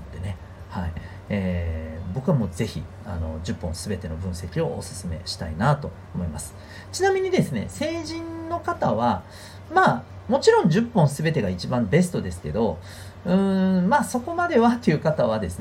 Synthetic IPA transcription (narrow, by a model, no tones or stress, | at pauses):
t̪ːene̞ | hai | eːbo̞kɯ̟amoːze̞çḭ | ano̞̰d͡ʑɨpːõñsɨbe̞t̪e̞no̞bɯ̟̃ɰ̃se̞kʲio̞ʔːsɨ̥sɨme̞̰ɕi̥t̪a̰inat̪o̞ | omo̞imasɨ̥ | t͡ɕinamʲiɲ̟id̪e̞sɨne̞̰se̞ːʑĩnːo̞kat̪aβ̞a | maː | mo̞t͡ɕiɾõ̞ɲ̟d͡ʑɨpːõ̞ɰ̃sɨbe̞t̪e̞ɡait͡ɕibãmbe̞s̬ɨ̥t̪o̞d̪e̞sɨ̥ke̞d̪o̞ | ɯ̟̃maːso̞ko̞mad̪e̞βat̪ːejɯ̟ːkat̪aβ̞ad̪e̞sɨ